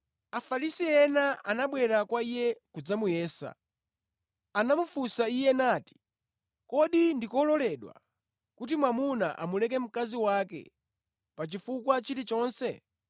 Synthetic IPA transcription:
afalisiɛnaʔanaɓwɛɾakwaijɛkud͡zamujɛːsa̰ | anamufusaijɛnaːti̥ | kɔɗindikɔlɔlɛɗwa̰ | kut̬imwamuna̰ʔa̰mulɛk̬ɛm̩kaziwaːkɛ̰ | pat͡ʃifukwat͡ʃiɾit͡ʃɔːnsɛ

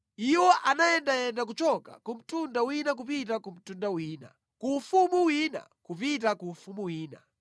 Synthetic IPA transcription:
iwɔʔanajɛndajɛndak̬ut͡ʃɔka̰kum̩tundawinak̬upitakum̩tundawiːna̰ | kuːfumuwiːna̰kupit̬akuːfumuwiːna̰

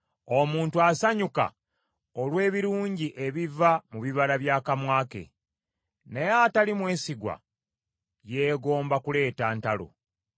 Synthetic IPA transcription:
o̞muːntuasaɲuka̰ | olwe̞ːβiɾuːɲɟiʔe̞βivamuβiβaɾaβjaːkamwaːke̞̰ | nejatalimwe̞ːsiɡwa̰ | je̞ːɡo̞ːmbakule̞ːtaːntalo̰

